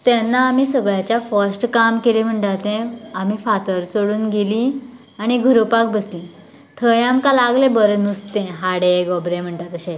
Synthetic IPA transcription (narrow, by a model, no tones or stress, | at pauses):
t̪ɛnːaːm̤iːsəɡɭjat͡ɕjafəsʈkamkelem̤əɳʈat̪ẽam̤ifat̪əɾt͡soɽuːnɡelĩ | añiɡʱuɾopak̚bəslĩ | t̪ʰəjamkalaɡlebəɾnust̪ẽɦaɽeɡɔbɾẽm̤əɳʈat̪əɕẽ